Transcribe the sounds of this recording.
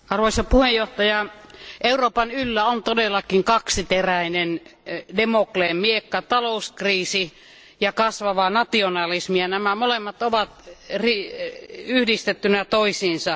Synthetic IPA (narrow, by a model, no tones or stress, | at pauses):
ɑrʋoisɑpuhejjoht̪ɑjɑʔeuroːpɑnylːæont̪odelːɑkiŋkɑksit̪eræinendemokleːmmiekːɑt̪ɑlouskriːsi | jɑkɑsʋɑʋɑnɑt̪ionɑlismiɑnæmæmolemːɑt̪oʋɑt̪ri | yhdist̪et̪ːynæt̪oisiːnsɑ